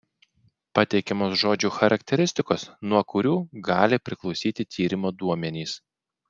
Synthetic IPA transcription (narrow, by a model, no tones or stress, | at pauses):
pɐt̪ʲɛɪkʲɛmoːsʒoːd͡ʒʲuːxɐɾʔɐkʲt̪ʲɛɾʲɪsʲt̪ʲɪkoːsnuɔkʊɾʲuːɡɑːlʲɪpʲɾʲɪklˠɒʊsʲiːt̪ʲɪt̪ʲʰiːɾʲɪmoːd̪uɔmʲɛnʲiːs